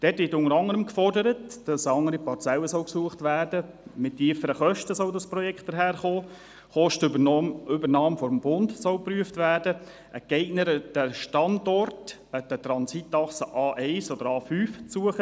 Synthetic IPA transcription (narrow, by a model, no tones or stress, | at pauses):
d̥ɛːtʋɪɾtʊŋəɾɑŋːəɾəmkfɔrdəɾətd̥ɑsɑŋːəɾipɑrt͡sɛləsɔlksuəχtʋæːrdə | mɪtːiːəfəɾəχœʃtəsɔldɑspɾɔjɛkχtd̥əɾɦæːrχoː | χɔʃt | ʏbəɾnɑːmfɔɾmb̥ʊndsɔlpryəftvʋæːɾdə | ʔəɡ̥ɛɪɡnəɾd̥əʃtɑndɔrt | əd̥ət̪ɾɑnsitːɑχsəʔɑːʔɛɪsɔd̥̪əɾɑːfyːfsuəχə